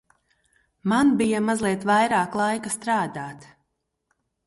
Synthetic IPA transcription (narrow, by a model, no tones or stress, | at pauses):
manbijamazlˠiɛt̪vajɾaːklˠajkast̪ɾaːd̪aːt̪